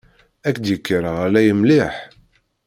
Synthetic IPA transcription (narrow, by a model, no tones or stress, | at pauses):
ækːd̪jəkːəɾəʁælæjəmliħ